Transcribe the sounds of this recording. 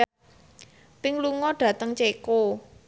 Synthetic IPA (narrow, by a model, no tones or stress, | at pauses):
pɪŋluŋɔɖ̥ä̤t̪əŋt͡ʃeko